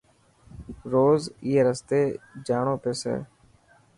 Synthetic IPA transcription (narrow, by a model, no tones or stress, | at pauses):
ɾoːzɪeːɾəst̪eːd͡ʒaːɳõːpeːsɛ̰ː